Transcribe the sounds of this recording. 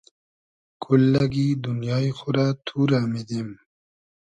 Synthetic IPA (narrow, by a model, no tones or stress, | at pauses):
kʰulːaɡid̪unjɑːixʊɾat̪ʰuːɾamid̪em